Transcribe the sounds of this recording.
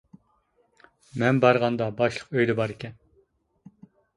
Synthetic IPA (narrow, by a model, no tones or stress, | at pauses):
mɛnbɑɾʁɑnd̪ɑbɑʃlˠəqøjd̪ɛbɑɾɪkʲɛn